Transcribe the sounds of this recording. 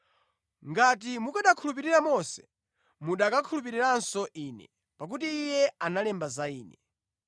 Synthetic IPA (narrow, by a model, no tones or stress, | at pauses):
ŋɡat̬imukaɗakʰulup̬iɾiɾamɔsɛ̥ | muɗakakʰulup̬iɾiɾansɔʔiːnɛ̰ | pak̬utiːjɛanalɛmbazaiːnɛ